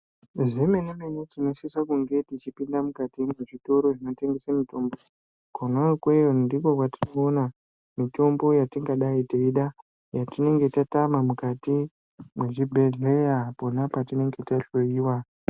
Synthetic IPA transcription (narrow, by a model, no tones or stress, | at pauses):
ʐemenemenutino̞sisakuŋɡe̞tit͡ʃipindamukatimeʐito̞ɾo̞ʐino̞te̞ŋɡe̞samito̞mbo | kanwakwejondiko̞kwatinona | mito̞mbo̞jatiŋɡaɗaitiiɗa | jatine̞ŋɡe̞tatamamukati | mweʐibʱe̞ɮejapo̞napatine̞ŋɡe̞taɬo̞jiːwa